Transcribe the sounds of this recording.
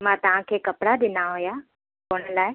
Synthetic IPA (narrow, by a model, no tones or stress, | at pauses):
mãːt̪ɐʋ̤ãkʰeːkɐpɽaɗ̪ɪnaɦoja | koːɽ̃əlaːɪ